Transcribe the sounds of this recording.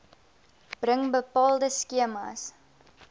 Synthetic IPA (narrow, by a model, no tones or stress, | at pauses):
b̥rəŋbəpɑːlˠdəskiəmɐ̰s